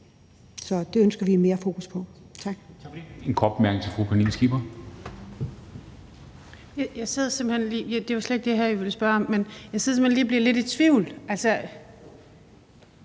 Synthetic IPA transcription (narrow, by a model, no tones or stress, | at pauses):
sɒ̽d̥e̝ønsɡ̥ɐʋime̝ːɐfo̝ːkʰuspʰɒ̽ | t͡sʰɑ̈ɡ̥enkʰɒd̥b̥emæɐɡnɪŋt͡sʰe̝lfʁupʰænḭnsɡ̥ib̥ɐ | jjäɪseð̞ˠsemb̥henliːjd̥e̝ʋɑ̈slede̥ɡ̥̚d̥e̝ɦæɐ̰jiʋe̝ləsb̥ɶɐɒ̽mːenjɑ̈seðˠsemhenliːbliɐle̝did̥̚t͡sʰʋiʊlʔælsə